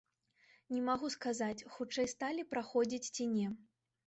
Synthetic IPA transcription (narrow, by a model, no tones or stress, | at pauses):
nʲɛmaɣuskazat͡sʲxut͡ʂɛjst̪alʲipɾaxɔd͡zʲit͡sʲt͡sʲinʲɛ